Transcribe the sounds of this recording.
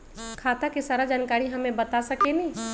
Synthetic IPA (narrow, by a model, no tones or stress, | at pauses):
kʰaːt̪akisaːɾad͡ʒaːnkaːɾiɦɐmẽbɐt̪asɐkenĩ